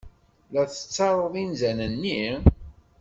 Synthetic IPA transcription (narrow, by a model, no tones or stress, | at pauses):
læθə̥t͡sːɑɾˤoðˤinzænənːi